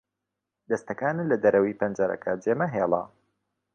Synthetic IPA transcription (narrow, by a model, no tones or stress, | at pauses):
d̪ɐst̪ɐkaːnɨlɐd̪ɐɾɐwiːpɐnd͡ʒaɾɐ̰kʰɐd͡ʒeːmɐɦeːlˠɑ̰